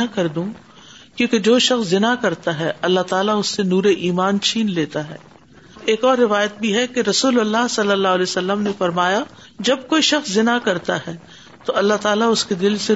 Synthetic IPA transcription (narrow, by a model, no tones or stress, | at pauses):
akɐɾd̪ũː | kjõːked͡ʒoːʃɐxszɪnakɐɾt̪aɦɛɐlːaɦt̪aːlaʊsːenuːɾeʔiːmaːnt͡ʃʰiːnleːt̪aɦɛː | eːkɔːɾːɪʋaːjət̪̚bʱiɦɛkeɾɐsuːlɐlːasɐlːəlːaːlɛːsɐlːəmnefɐɾmaːja | d͡ʒɐb̚koːiʃɐxszɪnakɐɾt̪aɦɛː | t̪oɐlːaɦt̪aːlaʊsked̪ɪlse